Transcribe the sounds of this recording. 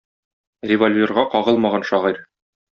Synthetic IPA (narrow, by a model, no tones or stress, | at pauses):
rʲɪvolʲvʲerʁɑqɒʁɤlˠmɑʁɑnʃɒʁiɾ